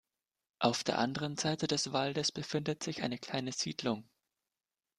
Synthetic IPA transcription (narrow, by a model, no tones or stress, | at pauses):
ʔaʊfd̥eːɐʔandəʁənzaɪtədɛsv̥aldəsb̥əfɪndətz̥ɪçʔaɪnəkl̥aɪnəziːdlʊŋ